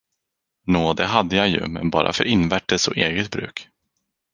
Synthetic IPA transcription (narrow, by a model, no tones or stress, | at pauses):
noːd̪ɛɦad̪ːəjajɵ̰mɛnbɑ̰ːɾʔa̰fœ̰ɾʔɪnːvæʈːəsɔʔeːɡət̪̚bɾʉ̟ːk